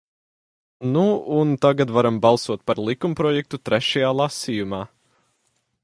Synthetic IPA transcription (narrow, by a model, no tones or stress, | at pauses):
nuunt̪aɡat̪vaɾambalˠsuɔt̪̚paɾlˠikumpɾɔjɛk̚t̪ut̪ɾɛʃajaːlˠasiːjumaː